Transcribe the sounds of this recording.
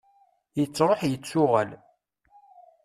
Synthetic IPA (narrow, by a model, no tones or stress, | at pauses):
jət͡sːɾˤoħjət͡sːʊʁæ̰l